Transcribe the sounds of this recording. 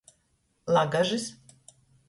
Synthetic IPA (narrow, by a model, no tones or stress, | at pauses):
lˠaɡaʒis